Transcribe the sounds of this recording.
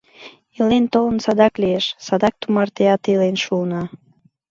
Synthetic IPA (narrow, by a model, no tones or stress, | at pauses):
ilent̪olənsɑd̪ɑklieʃsɑd̪ɑk̚t̪umɑrt̪eɑt̪ilenʃuːnɑ